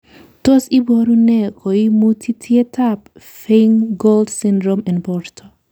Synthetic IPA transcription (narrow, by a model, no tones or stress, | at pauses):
t̪ɔsibɔɾunɛkʰɔimut̪ʰit̪ʰɛt̪ʰap | feŋɡold̪sind̪ɾɔmɛnbɔɾt̪ʰɔ̥